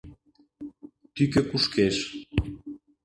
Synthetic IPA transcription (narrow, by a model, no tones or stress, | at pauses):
t̪ykʲøkuʃkeʃ